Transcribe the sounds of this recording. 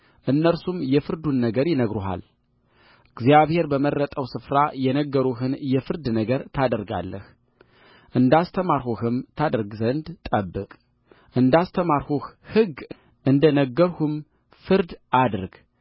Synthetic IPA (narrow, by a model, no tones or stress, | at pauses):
ʔɨnːəɾsumjɛfɨɾd̪unːəɡəɾjɪnəɡɾuɦa̰l | ɡzjaβhe̞ɾbəmərːət̪ʼəwsɨfɾajɛnəɡːəɾuhɨnjɛfɨɾd̪nəɡəɾt̪ʰad̪əɾɡa̰lːəh | ʔɨnd̪ast̪ʰəmaɾhuhɨmt̪ʰad̪əɾɡzənd̪t̪ʼəbːɨkʼ | ʔɨnd̪ast̪ʰəmaɾhuhhɨɡ | ʔɨnd̪ənəɡːəɾhum | fɨɾd̪ʔad̪ɾɡ